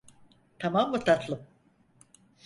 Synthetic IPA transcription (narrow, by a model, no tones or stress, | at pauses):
t̪ʰamamːɯt̪ʰat̪ʰlˠɯm